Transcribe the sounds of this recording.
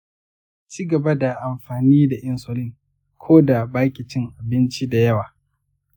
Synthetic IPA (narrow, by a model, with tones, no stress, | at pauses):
t͡ʃiː˦ɡɐ˨ba˦da˨ʔa˨mɸaː˨niː˦da˨ʔɪ˦nso˦lɪ˦ŋ | kʷʰoː˦da˨baː˦kʲi˨t͡ʃɪ˦ŋʔa˨bɪ˦nt͡ʃi˦da˨jɐ˦waː˨